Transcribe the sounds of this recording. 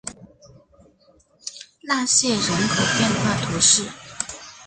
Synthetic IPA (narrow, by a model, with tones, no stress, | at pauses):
la˥˧ɕjɛ˥˩ɻə˧˥nkʰo˨˩ʊpjɛ˥˧nxwa˥˩t̪ʰu˧˥ʂɻ̩˥˩